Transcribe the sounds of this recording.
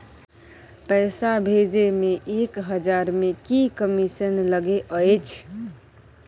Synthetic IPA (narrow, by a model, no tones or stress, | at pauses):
pəɪsabʱed͡ʒemeʔekɦəd͡ʒaɾmekikəmisənləɡeʔəjt͡ʃʰ